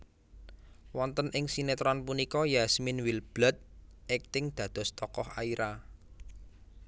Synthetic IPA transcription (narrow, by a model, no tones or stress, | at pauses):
wɔnt̪ənʔɪŋsinet̪ɾɔnpunikɔjasminwilb̥lət̪̚ɛk̚t̪ɪŋd̪̥ä̤d̪̥ɔ̤st̪ɔkɔhaiɾʔa